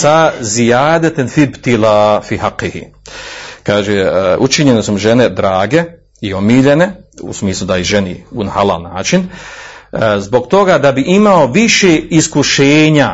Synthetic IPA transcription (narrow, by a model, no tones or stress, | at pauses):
sazijaːd̪at̪enfibt̪ilaːfiːhaqːihḭ | kaːʒeut͡ʃiɲenesumʒene̞d̪ɾaːɡe̞ | io̞miːʎe̞ne̞ṵsmiːslˠud̪aiʒeniunahalˠa̰ːlnaːt͡ʃin | zbo̞ɡt̪o̞ɡaːd̪abiʔimao̞ʋiʃeːiskuʃeːɲa